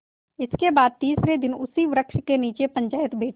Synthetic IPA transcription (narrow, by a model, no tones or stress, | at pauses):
ɪskebaːd̪̚t̪iːsɾed̪ɪnʊsiʋɾəkʃkeniːt͡ʃepə̃ɲt͡ʃaːjət̪bʱeːʈʰ